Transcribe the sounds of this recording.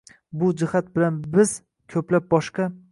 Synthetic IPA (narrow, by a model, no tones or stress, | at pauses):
bʊd͡ʒɪhat̪̚bɪlanbɪz̥ | kʲʰɵplap̚bɒʃqɑ